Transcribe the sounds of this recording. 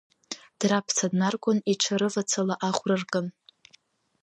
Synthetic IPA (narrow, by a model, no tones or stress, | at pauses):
d̥rapʰt͡sʰadnarkʷʼʊniʈ͡ʂʷʰaɾɨvat͡sʰalaʔaχʷrarkʼɨn